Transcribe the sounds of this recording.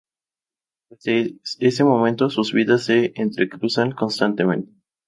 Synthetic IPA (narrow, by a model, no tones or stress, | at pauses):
eeese̞mõ̞mẽnt̪o̞suzβiðasːe̞ent̪ɾekɾusaŋko̞nst̪ant̪e̞mẽ̞nt̪e̥